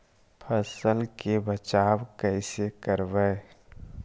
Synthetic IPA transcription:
pʰəsəlkebət͡ʃaːwkɛɪsekəɾʋəe

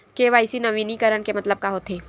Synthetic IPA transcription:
keʋaːɪsinɐʋiːnikɐɾənkemɐt̪ləb̚kaɦot̪eː

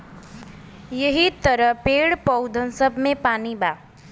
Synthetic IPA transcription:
jəɦit̪əɾəpeɽpʌwd̪ʱənsəbʱmẽpaniba

